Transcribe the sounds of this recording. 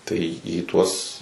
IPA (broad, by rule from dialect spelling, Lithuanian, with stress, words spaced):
tɐɪ iː ˈtuɔs